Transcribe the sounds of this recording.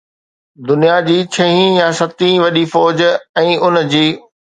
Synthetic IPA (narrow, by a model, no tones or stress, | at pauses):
d̪ʊnijad͡ʑiːt͡ɕʰɐɦĩjasɐt̪ĩʋɐɗifɔːd͡ʑɛ̃ːʔʊnd͡ʑiː